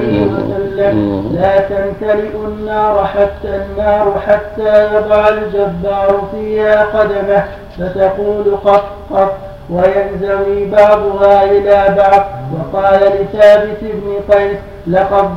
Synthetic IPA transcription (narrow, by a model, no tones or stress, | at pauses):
ɪhɪwasalːamlaːt̪ant̪alɪʔʊnːɑːɾˤħat̪ːanːɑːɾˤħat̪ːaːjɑd̪ˤɑʕald͡ʒabːɑːɾˤʊfiːhaːqɑd̪amah | fat̪ɑquːlʊqɑsqɑt | wajanzawiːbɑʕd̪ˤʊɦaːʔɪlaːbɑʕd̪ˤwɑqɑːlalɪθaːbɪt̪ɪbnɪqɑjs | lɑqɑd̪